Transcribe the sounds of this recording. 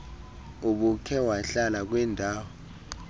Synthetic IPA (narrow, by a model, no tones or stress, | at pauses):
uɓukʰɛwaɬalak̬wɛndʱaːwɔ